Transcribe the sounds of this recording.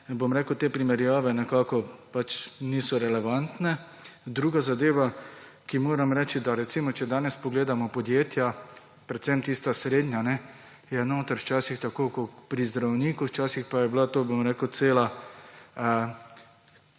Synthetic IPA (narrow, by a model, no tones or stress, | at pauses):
bomɾeːkəwt̪eːpɾimɛɾjaːʋɛnɛkaːkɔpat͡ʃniːsɔɾɛlɛʋant̪nɛ | d̪ɾuːɡazad̪eːʋa | kimoːɾamɾɛːt͡ʃid̪aɾɛt̪simɔt͡ʃɛd̪aːnɛspɔɡleːd̪amɔpɔd̪jeːt̪ja | pɾɛt̪sɛmt̪ist̪asɾeːd̪nʲjanɛ | jɛnoːt̪aɾwt͡ʃaːsixt̪akoːkopɾizd̪ɾawniːkuwt͡ʃaːsixpajɛblat̪oːbomɾɛːkəwt̪seːla